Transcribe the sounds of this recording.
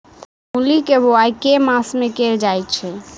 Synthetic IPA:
mulikeboajkemãsmekeld͡ʒajt͡ʃʰɛ

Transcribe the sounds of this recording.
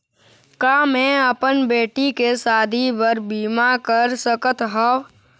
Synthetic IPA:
kaːmẽəpənbeːʈikesaːd̪ʱipəɾbiːmakəɾsəkət̪ɦə

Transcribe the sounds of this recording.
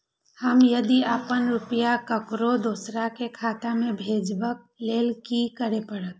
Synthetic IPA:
həmjɐd̪iəpənɾʊpjakəkɾod̪oːsɾakekʰaːt̪amẽbʱeːd͡ʒbək̚ | leːlkikəɾepəɽət̪̚

